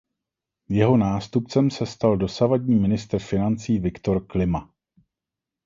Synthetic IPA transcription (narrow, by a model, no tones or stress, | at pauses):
jɛɦo̞naːst̪up̚t͡sɛmsɛst̪aldo̞savadɲiːmɪnɪst̪r̩fɪnant͡siːvɪkt̪o̞ɾklɪma